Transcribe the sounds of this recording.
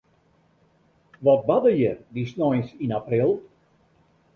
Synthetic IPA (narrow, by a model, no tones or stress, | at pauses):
ʋɔt̚badəjədisnɔjsinaprilˠ